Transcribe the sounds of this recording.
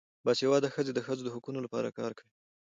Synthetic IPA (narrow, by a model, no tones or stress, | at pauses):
bɑsjawɑd̪axəzed̪əxəzod̪əɦʊkunolapɑ̰ɾa̰kɑ̰ɾkawi